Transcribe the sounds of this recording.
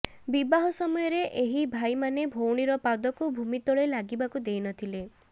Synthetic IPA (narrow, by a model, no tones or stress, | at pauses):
bibaɦɔsɔmɔjɔɾeʔeɦibʱajmanebʱowɽ̃iɾɔpad̪ɔkubʱumit̪ɔɭelaɡibakud̪ejnɔt̪ʰile